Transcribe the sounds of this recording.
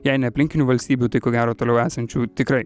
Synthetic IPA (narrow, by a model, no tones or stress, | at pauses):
jɛɪnʲɛɐpʲlʲɪŋʲkʲɪnʲuːʋɐlʲsʲt̪ʲiːbʲuːt̪ɐɪkoːɡʲæːɾoːt̪oːlʲɛʊæːsɐnʲt͡ʃʲuːt̪ʲɪkɾɐɪ